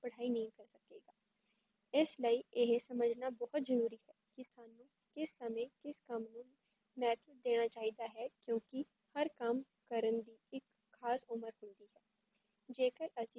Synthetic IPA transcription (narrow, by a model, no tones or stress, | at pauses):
pəɽ̤aːiːnəɦĩːkəɾsəkeːɡaː | ɪsləiːɪɦsəməd͡ʒnaːbɔːt̪zəɾuːɾiːɦɛːkɪsaːnũː | kɪsːəmẽːkɪskəmnũː | mɛːt̪ʰəd̪eːɽ̃aːt͡ʃaːiːd̪aːɦɛːkjõːkɪ | həɾkəm | kəɾənd̪iːɪkʰː | aːsʊməɾɦʊnd̪iːɦɛː | d͡ʒeːkəɾəsĩ